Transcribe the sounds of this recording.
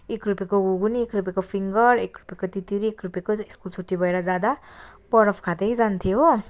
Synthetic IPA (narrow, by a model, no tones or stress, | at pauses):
ekrupekoɡuɡuniekrupekopʰiŋɡʌrekrupekot̪it̪iɾiekrupekoiskult͡sʰuʈːibʱʌeɾʌd͡zad̪apʌɾʌpʰkʰad̪ʌjd͡zant̪ʰijo